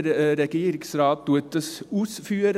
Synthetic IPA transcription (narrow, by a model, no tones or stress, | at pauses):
ɾɾɛɡiːɾɪŋsɾɑːt̪̚d̪ut̪əsuːsfyːɾ